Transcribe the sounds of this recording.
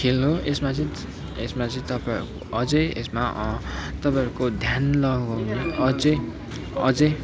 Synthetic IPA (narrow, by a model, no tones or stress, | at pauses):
kʰelɦoesmat͡sʌ̃ | esmat͡sĩt̪ʌpa̰ɾukoʌd͡zʌesma | t̪ʌpaɾukod̪ʱjanlʌɡɡawneʌd͡zʌ | ʌ̰d͡zʌ